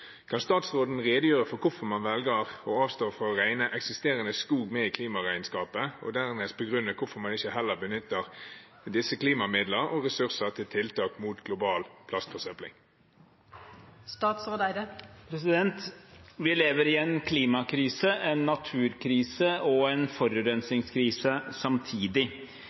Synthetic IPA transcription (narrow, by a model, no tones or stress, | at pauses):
kʰɑnst̪ɑːt̪sʁoːd̪n̩ʁeːd̪əjøːʁəfɔkʰʊfɔʁmɑnʋɛlɡəʁɔɑːʋst̪oːfɔɔʁæɪnəʔɛksɪst̪eːʁənəskuːɡmɛiːkʰliːmɑʁæɪnskɑːpəɔ̰d̪æʁmɛːst̪̚pʰɔɡʁʉnːəkʰʊfɔɾmɑnɪçəhɛlːəʁbənʏt̪ːəʁ | d̪ɪsəkliːmɑmɪd̪ləɔʁɛsʉʁsəʁt̪ʰɪlt̪ʰɪlt̪ɑːkmuːt̪ɡlʊbɑːlpʰlɑst̪fɔʁsœplɪ̰ŋ | st̪ɑːt̪sɾoːd̪æɪd̪əpʰɾɛsɪd̪ɛnt̪ʋɪleːʋəɾɪɛnkʰliːmɑkʰɾiːsəʔɛnːɑt̪ʰʉːɾkʰɾiːsəɔɛnfɔɾʉːɾɛnsɪŋskʰɾiːsəsɑmt̪ʰiːd̪ɪ